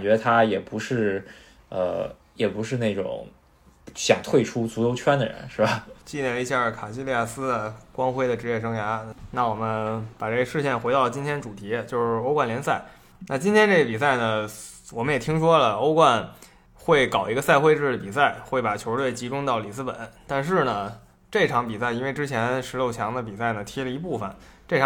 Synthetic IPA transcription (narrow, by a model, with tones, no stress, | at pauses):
t͡ɕɥɛ˧˥d̪ə˧t̪ʰa˥jɛ˨˩pu˧˥ʂɻ̩˥˩ | ə̰˧ | jɛ˨˩pu˧˥ʂɻ̩˥˧ne˥˩ɪʈ͡ʂʊ̰˨˩˦ŋ | ɕjɑ̰˨˩ŋt̪ʰwe˥˩ɪʈ͡ʂʰu˥t͡su˧˥jo˧˥ʊt͡ɕʰɥɛ˥nd̪ə˨˩ɻə̰˧˥˦nʂɻ̩˥˩ba˨˩t͡ɕi˥˧nɛ˥˩ni˧˥ɕja˥˩kʰa˨˩ɕi˥li˥˧ja˥˩sɹ̩˥˨kwɑ˥ŋxwe˥ɪd̪ə˨˩ʈ͡ʂɻ̩˧˥jɛ˥˩ʂ̬ɤ˧˥ŋja˧˥na˥˩wɔ˨˩mə˦npa˨˩ʈ͡ʂe˥˩ə˧ʂɻ̩˥˧ɕ̬jɛ˥˩nxe˧˥ɾɑ˥˩ʊlət͡ɕi˥nt̪ʰjɛ˥nʈ͡ʂu˨˩t̪ʰi˧˥t͡ɕjo˥˧ʊʂɻ̩˥˩o˥ʊkwa˥˩nljɛ˧˥nsa˥˩ɪ | na˥˩t͡ɕi˥nt̪ʰjɛ˥nʈ͡ʂe˥˧˩ɡə˩pi˨˩s̬a˥˩ɪnə˩wɔ˨˩mə˦njɛ˨˩t̪ʰi˥ŋʂwɔ˥lə˨o˥ʊkwa˥˧n | xwe˥˩ɪkɑ˨˩ʊi˧˥ɡə˧sa˥˧ɪxwe˥˧ɪʈ͡ʂɻ̩˥˩ə˩pi˨˩sa˥˩ɪxwe˥˩ɪpa˨˩t͡ɕʰjo˧˥ʊ˥t̪we˥˩ɪt͡ɕi˧˥ʈ͡ʂʊ˥ŋt̪ɑ˥˩ʊli˨˩sɹ̩˥pə̰˨˩˦nt̪a˥˧nʂɻ̩˥˩nə˩ | ʈ͡ʂe˥˩ʈ͡ʂʰɑ˧˥ŋpi˨˩sa˥˩ɪi˥nwe˥˧ɪʈ͡ʂɻ̩˥t͡ɕʰjɛ˧˥nʂɻ̩˧˥ljo˥˩ʊt͡ɕʰjɑ˧˥ŋd̪ə˧p̬i˨˩sa˥˩ɪnə˩t̪ʰi˧˥lə˧˨i˧˥pu˥˩fə̰˩nʈ͡ʂe˥˩˧